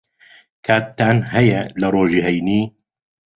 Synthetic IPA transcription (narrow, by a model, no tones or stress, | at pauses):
kʰaːt̪ːaːnhɛjɛlɐɾoːʒiːɦɛjniː